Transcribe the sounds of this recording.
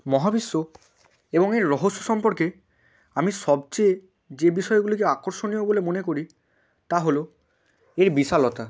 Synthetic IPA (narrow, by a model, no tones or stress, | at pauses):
mɔɦabisːo | ebɔŋeɹɔɦosːosɔmpɔɾke | amisɔbt͡ʃe | d͡ʒebisɔjeɡulikeakɔɾsonijobolemonekoɹi | t̪aɦolo | eɹbisalɔt̪a